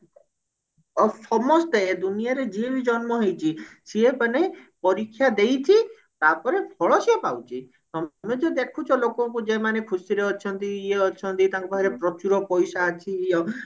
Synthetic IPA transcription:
ɔsɔmɔst̪eed̪unijaɾed͡ʒiebʱid͡ʒɔnmɔɦejt͡ʃʰisiepanepɔɾikʰːjad̪ejt̪ʰi | t̪apɔɾebʰʱɔɭɔsiepawt͡ʃʰi | ɔmed͡ʒed̪ekʰut͡ʃʰɔlokɔk̬ud͡ʒemanekʰusiɾeɔt͡ʃʰɔnt̪iieɔt͡ʃʰɔnt̪it̪aŋkubʱaɦiɾepɾɔt͡ʃuɾɔpɔjsaːt͡ʃʰiɔ

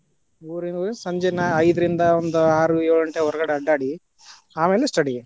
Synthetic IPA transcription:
uːɾind̪ɐuːɾinɐsɐɲd͡ʒenɐɐjd̪ɐɾind̪ɐond̪uaːɾueːɭɐɳʈeɔɾɐɡɐɽeɐɖːaːɽi | aːmeːlesʈɐɽi

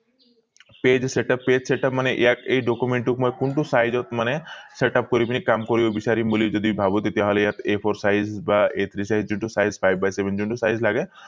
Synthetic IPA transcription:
ped͡ʒseʈapːed͡ʒseʈapmaneʔeakejɖɔkumeɳʈukmɔjkuɳʈusajd͡ʒɔt̪maneseʈap̚kɔɾipinikamkɔɾibobisaɾimbolid͡ʒɔd̪ibʱabut̪et̪iaɦɔlejat̪epʰɔɾsajzbaet̪ʰɾisaɦid͡ʒd͡ʒuɳʈusajzpʰajbːajsebend͡ʒuɳʈusajzlaɡe

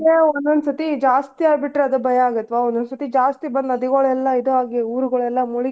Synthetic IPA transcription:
eɔnd̪ɐnsɐt̪id͡ʒaːst̪iaːɡbiʈɾeɐd̪ɐbʱɐjɐaːɡɐt̪ːʋaond̪onsɐt̪id͡ʒaːst̪ibɐnd̪ɐd̪iɡɐɭɛlːɐid̪uɦaːɡeuːɾuɡɐɭɛlːɐmuɭi

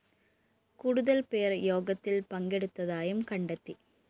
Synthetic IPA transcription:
kʊɽɯðɐlpejɐɾjoːɣɐt̪ːɪlpɐŋɡɛɽɯt̪ːɐðaːjɯmkɐɳɖɐt̪ːi

